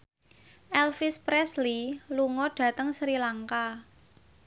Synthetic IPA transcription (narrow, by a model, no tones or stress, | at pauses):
ʔɛlfispɾɛsliluŋɔɖ̥ä̤t̪əŋsɾilaŋka